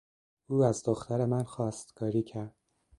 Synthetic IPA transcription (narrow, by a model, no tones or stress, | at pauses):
uːæzd̪oxt̪æɾe̞mænxɒːst̪kʰɒːɾiːcʰæɾd̪̥̚